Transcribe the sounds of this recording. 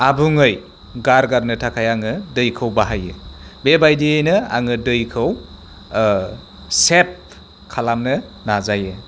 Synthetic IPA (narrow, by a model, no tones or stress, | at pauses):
abuŋɯj | ɡaɾɡaɾnɯtʰakʰajaŋɯdɯjkʰɯwbaɦajɯ̰bebajdiejnɯa̰ŋɯdɯjkʰɯw | sep̚ | kʰalamnɯ | nazajɯ